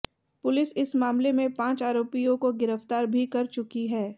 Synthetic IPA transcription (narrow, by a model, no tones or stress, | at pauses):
pʊlɪsɪsmaːmlemẽpãːt͡ʃaːɾoːpijõkoɡɪɾəft̪aːɾbʱikɐɾt͡ʃʊkiɦɛː